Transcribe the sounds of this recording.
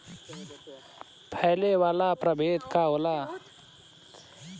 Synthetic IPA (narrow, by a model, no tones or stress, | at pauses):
pʰɛɦlewaːlapɾəbʱeːd̪kaɦoːlaː